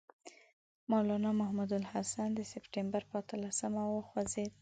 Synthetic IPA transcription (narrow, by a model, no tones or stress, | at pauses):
mɑwlɑnɑmahmud̪alhasand̪əsɪpʈembaɾpəat̪əlasəmawoxwazed̪